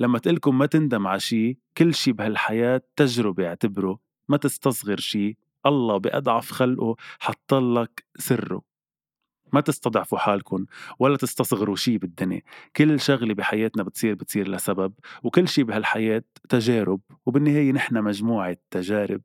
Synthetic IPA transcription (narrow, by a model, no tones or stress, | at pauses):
lamːat̪ʔɪlkʊnmat̪ɪnd̪amʕaʃiːkɪlːʃiːbɪhalħajaːt̪ːaʒɾɪbeɪʕt̪ɪbɾu | mat̪ɪst̪ɑsˤɣɪɾʃiː | ʔɑlˤːɑːbɪʔɑ̰d̪ˤʕɑfxalʔuħɑt̪ˤːɑlːɑksɪrːṵ | mat̪ɪst̪ɑd̪ˤʕfuħaːlkʊnwalːat̪ɪst̪ɑsˤɣɪɾuʃiːbɪd̪ːɪnjḛkɪlːʃʊɣlebiħajeːt̪nabɪt̪sˤiːɾbɪt̪sˤiːɾlasababwkɪlːʃiːbɪɦalħajeːt̪ːaʒeːɾʊb̚wbɪnːɪheːjenɪħnamaʒmuːʕat̪ːaʒaːɾɪ̰b̚